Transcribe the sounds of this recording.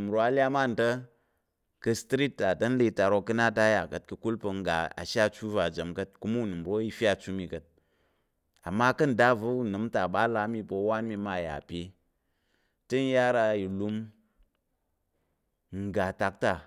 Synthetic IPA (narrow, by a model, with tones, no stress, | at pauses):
m˨ɾo˦a˧lʲa˦ma˦˨n̩˨tə˦ | kə˧stɾi˦tːa˨tɐ˦n̩˦li˧˦ta˨ɾo˧kːɨ˧na˦ta˦ja˨kə˨t̚kɨ˧ku˦lpə˧ŋ̩˦ɡa̰˨a̰˨ʃa˦˨t͡ʃu˦va˨d͡ʒɐ˨mkɐ˦t̚ku˦mu˦˨nɨ˨m˨ɾo˦i˧fʲa˦˧˨t͡ʃu˦mi˧kə˦t̚ | a˨mːa˦kɐ˦n̩˨da˦və˨˦u˦˨nɨ˨˦mta˨ɓa˦la˧˦mi˧pə˧˦wa˦nmi˧ma˦˨ja̰˨pʲe˧ | tə˦n̩˦ja˦ɾa˧ji˨lu˧m | ŋ̩˨ɡa˨ta˧k̚ta˨